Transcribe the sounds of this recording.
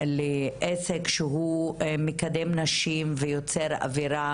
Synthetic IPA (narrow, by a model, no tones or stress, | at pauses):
leʔesekʃeɦumekad̪emnaʃimvejot͡seɾa̰viɾa